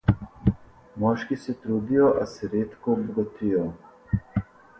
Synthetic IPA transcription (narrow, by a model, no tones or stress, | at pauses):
mɔːʃkisɛt̪ɾud̪ijɔʔasɛɾeːt̪kɔbɔɡat̪ʰijɔ